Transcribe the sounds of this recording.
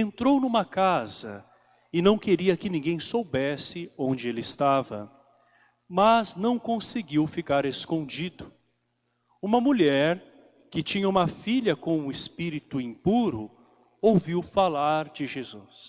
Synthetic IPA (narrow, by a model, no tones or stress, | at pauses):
ẽnt̪ɾownũmɐkazɐ̰ | ɪnɐ̃w̃keɾiɐkɪnĩŋɡẽj̃sowbɛsɪõnd͡ʒɪelɪɪst̪avɐ̰ | mɐznɐ̃w̃kõsɪɡiwfikaɾeskõnd͡ʒid̪ʊ | ũmɐmuʎɛɾ | kɪt͡ʃĩɲɐũmɐfiʎɐkõw̃ũɪspiɾit̪ʊĩpuɾʊ | owviwfalaɾd͡ʒɪʒezus